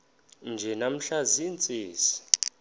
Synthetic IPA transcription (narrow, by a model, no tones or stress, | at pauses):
nd͡ʒʱɛnam̩ɬazint͡sʼeːsi̥